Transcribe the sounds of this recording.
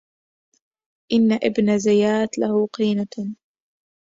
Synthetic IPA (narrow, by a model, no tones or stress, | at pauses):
ʔɪnːaʔɪbnazajaːt̪lahuqiːna